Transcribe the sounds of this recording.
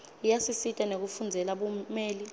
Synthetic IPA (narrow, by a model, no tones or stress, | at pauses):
ijasisitʼanek̬ufund͡zʱɛlaɓumeːli